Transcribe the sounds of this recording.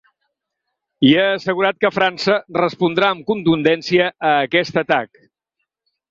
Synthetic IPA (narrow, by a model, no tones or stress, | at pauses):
ieːsəɣuɾat̪̚kəfɾansərəspund̪ɾaəmkunt̪und̪ɛnsiəːkɛst̪ət̪ak